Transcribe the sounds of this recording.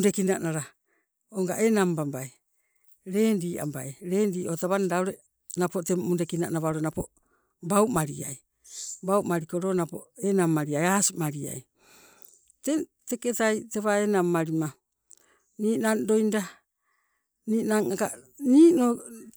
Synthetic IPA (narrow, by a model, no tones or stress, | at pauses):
undekinaʔnaɾa | oŋɡaʔenambambaj | ɾe̞ːndiːʔa̰mbajɾe̞ːndiːʔo̞taβanadaoɾe | napotemunde̞kina̰ʔnaβaɾonapo | bawmaɾḭa̰j | bauwmaɾikoɾo̞napoenamːaɾiajaːsmaɾia̰j | teteketajteβaenamːaɾima | niːnando̞jnda | niːnaŋaka̰ | niːno